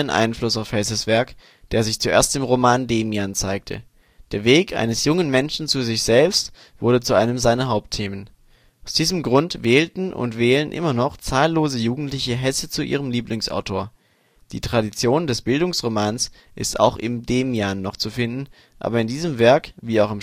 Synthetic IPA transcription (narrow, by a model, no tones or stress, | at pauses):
ənʔa̰ɪnflʊsaʊfhɛs̬əsv̥ɛɐk | d̥eːɐzɪçt͡suʔḛːɐstɪmʁomaːndeːmjant͡saɪk̚tʰə̰ | d̥eːɐveːkʔa̰ɪnəsjʊŋənmɛnʃn̩t͡suzɪçz̥ɛlpst | v̥ʊɐdət͡suʔaɪnəmzaɪnɐɦaʊp̚tʰeːmən | ʔaʊsd̥iːzəmɡʁʊntvɛːltn̩ʔʊ̰ntv̥ɛːlənʔɪ̰mɐnɔχt͡saːlːoːzəjuːɡŋ̩tlɪçəɦɛsət͡suʔḭːʁ̞əmliːplɪŋsʔa̰ʊtʰoːɐ | d̥ḭːtʁ̥adit͡sjoːndɛsb̥ɪldʊŋsʁomaːns | ʔɪsta̰ʊxɪmdeːmjanːɔχt͡sufɪndn̩ | ʔa̰ːbɐɪndiːzəmvɛɐkviːaʊxɪm